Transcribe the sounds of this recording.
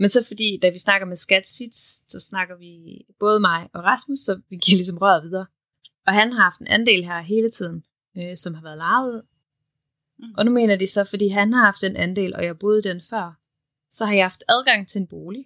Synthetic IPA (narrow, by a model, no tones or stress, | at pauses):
mensɒ̽fɒ̽d̥ḭːd̥æʋisnɑ̈ɡ̥ɐmesɡ̥æd̥sid̥ssɒ̽snɑ̈ɡ̥ɐʋib̥ɔ̽ːð̞ˠəmɑ̈ɪɒ̽ʁɑsmusːɒ̽ʋiɡ̥iɐ̰lis̬ɒ̽mʁɶɐ̰ʋið̞ˠɐː | ɒ̽ɦænhɑ̈hɑ̈fd̥e̝nʔænde̝̰ːlɦæɐ̰ɦe̝ːlət͡sʰið̞̰ˠn̩ | sɒ̽mhɑ̈ʋæːɐðˠlɑ̈ːʊð̞̩ˠ | ʔɒ̽nume̝̰ːnɐdisɒ̽fɒd̥ḭːɦænɦɑ̈hɑ̈fd̥enʔænd̥e̝̰ːlʔɒ̽jɑhɑb̥o̝ːð̞̩ˠd̥enfɶɐ̰ | sɒ̽hɑ̈jɑhɑ̈fd̥æð̞ˠɡ̥ɑ̈ŋ̰t͡sʰe̝enb̥o̝ːli